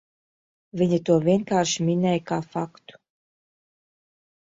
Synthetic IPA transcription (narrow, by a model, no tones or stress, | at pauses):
vʲiɲit̪uɔvʲiɛnkaːɾʃimʲinɛjkaːfakt̪u̥